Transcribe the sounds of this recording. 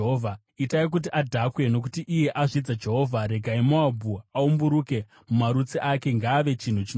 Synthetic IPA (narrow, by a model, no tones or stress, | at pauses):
ovʱa | itaik̬ut̬iʔadʱakwe̞no̞kutiʔije̞ʔaʐid͡zad͡ʒe̞ɦo̞vʱaɾe̞ɡʱaimoabʱuaumbuɾuke̞ | mumaɾut͡siʔake̞ŋɡaːʋe̞t͡ʃin̤ut͡ʃin